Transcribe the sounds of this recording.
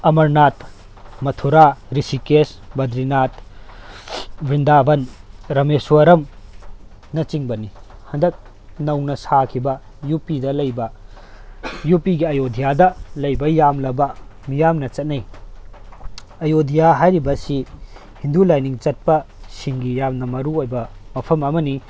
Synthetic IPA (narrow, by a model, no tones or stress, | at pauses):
ɐmɐɾnat̪̚ | mɐtʰuɾaɾisikes | bɐd̪ɾinat̪ | bɾindabɐnɾɐmesuwɐɾɐm | nɐt͡ʃiŋbɐnihɐndɐk̚ | nɐwnɐsakʰibɐ | jupidɐlɐjbɐ | jupiɡiɐjodʱijadɐlɐjbɐjamlɐbɐmijamnɐt͡ʃɐt̚nɐj | ɐjodʱijaɦajɾibɐsi | hindulajniŋt͡ʃɐt̚pɐsiŋɡijamnɐmɐɾuojbɐmɐpʰɐmɐmɐni